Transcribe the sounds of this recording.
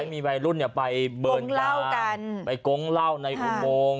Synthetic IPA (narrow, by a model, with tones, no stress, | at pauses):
jmiː˧wa˧jlu˥˩nːi˥˩pa˧jbɤː˧nŋla˥˩wka˧npa˧jko˦˥ŋla˥˩wna˧jʔu˧˩moː˧ŋ